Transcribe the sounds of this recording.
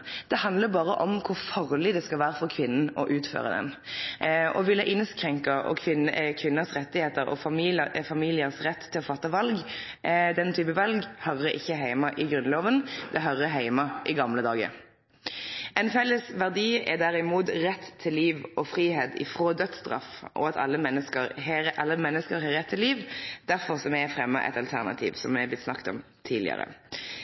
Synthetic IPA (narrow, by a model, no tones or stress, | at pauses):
d̪̥ɛhɑnd̪ləbɑːʁəʔɔmkʰʊʁfɑʁlɪd̪ɛskɑlʋæːɾəfɔʁkʰʋɪnːn̩ɔʔʉːt̪fø̰ːʁə̰d̪ɛ̰n | ɔʋɪlːəʔɪnskʁɛŋkɑʔɔ̰kʰʋɪnkʰʋɪnːəsʁɛt̪ːɪheːt̪əɾɔ̰fɑmːfɑmiːlɪəsʁɛt̪ːʰɪlɔfɑt̪ːəʋɑlɡ | d̪ɛnt̪ʰyːpəʋɑlɡhœɾəʔɪçːəɦæɪmɑʔɪɡɾʉnloːʋənd̪ɛɦœɾəɦæɪmɑʔɪɡɑmləd̪ɑːɡə̰ɾ | ʔɛɪnfɛlːəsʋæʁd̪iːɛ̰d̪æʁɪmuːt̪ʁɛt̪ʰːɪlːiːʋɔfʁiːheːt̪ɪ̰fʁoːd̪œt̪st̪ʁɑ̰fʔɔ̰ɑt̪ʰɑ̰lːəmɛnːəskəɾhɛɾʔɑlːəmɛnːəskəɾɦɑʁɛt̪ʰːɪliːʋd̪̥æɾfɔʁsɔmɛæfʁɛmːə̰ʔɛ̰t̪ɑlt̪ʰæʁnɑ̰t̪ʰḭːʋsɔmːɛɑb̪ɪt̪snɑkt̪ɔ̰m | t̪ʰiːdlɪ̰ə̰ʁə̰